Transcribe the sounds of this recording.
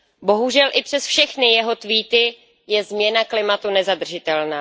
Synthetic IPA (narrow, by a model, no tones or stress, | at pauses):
bo̞ɦuʒɛlʔɪpr̝̥ɛsfʃɛxnɪjɛɦo̞t̪viːt̪ɪ | jɛzmɲɛnaklɪmat̪unɛzad̪r̩ʒɪt̪ɛlnaː